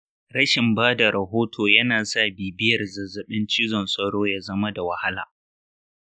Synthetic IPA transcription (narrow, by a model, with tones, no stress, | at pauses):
ɾɐ˦ʃɪ˨mbaː˦da˨ɾɐ˨ɦoː˦tʰoː˨jɐ˦naː˨sa˦˨biː˨bɪ˦jɐ˨rzɐ˨zɐ˨ɓɪ˦nt͡ʃiː˦zɔ˨nsʼɐ˦ɽoː˦jaː˦zɐ˦ma˦da˨wɐ˨ha˦la̰ː˨